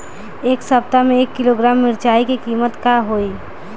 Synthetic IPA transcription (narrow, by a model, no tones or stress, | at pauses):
eːksəp̚t̪amẽeːkːɪloɡɾaːmːɪɾt͡ʃaːikekiːmət̪kaɦoi